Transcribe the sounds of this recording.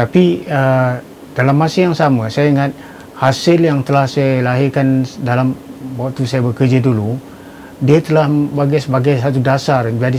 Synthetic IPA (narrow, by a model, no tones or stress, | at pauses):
t̪apiə | d̥alamːasəjaŋsamasajaiŋat̪̚ | hasɪljaŋt̪əlahsajalaɦɪrkandalamwat̪usajabəkərd͡ʒidulu | diət̪əlahbaɡajsəbaɡajsat̪udasard͡ʒadi